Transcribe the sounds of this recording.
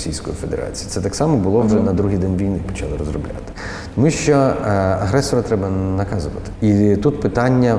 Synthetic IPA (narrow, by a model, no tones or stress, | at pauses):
sʲijsʲkɔjifed̪ḛɾʔɑ̰t͡sʲijit̪ɛt̪ɑksɑmɔbʊlˠɔwʐɛnɐd̪ɾuɦɪijd̪ɛnʲʋʲijnɪpɔ̥t͡ʃɑlˠɪɾɔzrɔblʲa̰t̪ɪ̥ | t̪ɔmuʃt͡ʃɔɐɦɾɛsɔɾɐt̪ɾɛbɐnɐkɑzʊʋɐ̰t̪ɪ̥it̪ut̪pɪt̪ɑnʲːɐ